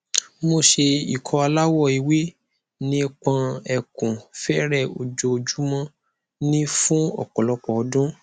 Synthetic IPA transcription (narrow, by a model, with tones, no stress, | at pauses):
mo˧ʃe˧i˨kʰɔ˧˦a˧la˦wɔ˦˨i˧˨we˦ | nĩ˦k͡pã˧ɛ˧˨kũ˨fɛ˦ɾɛ˦˨o̰˨d͡ʒo˧o˧d͡ʒu˦mɔ̃˦ | nĩ˦fũ˦ɔ̰˦˨kɔ˨lɔ˧k͡pɔ˨ɔ˧dũ˦